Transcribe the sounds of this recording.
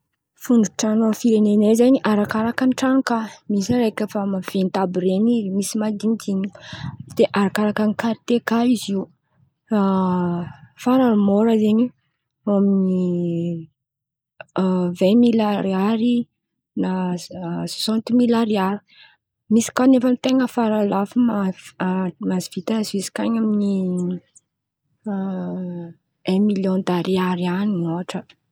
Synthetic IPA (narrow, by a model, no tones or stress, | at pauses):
fuɳɖ͡ʐuʈ͡ʂanamfiɾenenezaɲiʔaɾakaɾakanʈ͡ʂaŋkamisiɾejkʲəfamav̥ent̪abiɾenizimisimad̪int̪iɲi̥d̪̥eʔaɾakaɾakanikaɾt̪ekaiziw | a | faɾamoɾəzeɲi | amini | vɛ̃milaɾiaɾi | na | sosãnt̪umilaɾiaɾi̥ | misi̥kanefamit̪eŋəfaɾalafuma | maziv̥it̪azvizi̥kaɲamini | ɛ̃miljõnd̪aɾiaɾianinoaʈ͡ʂə